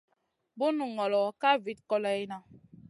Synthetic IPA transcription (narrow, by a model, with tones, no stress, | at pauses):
bu˦nu˨ŋɔ˨lɔ˨ka˦vi˨t̚kɔ˦lɛ˦i˦na˨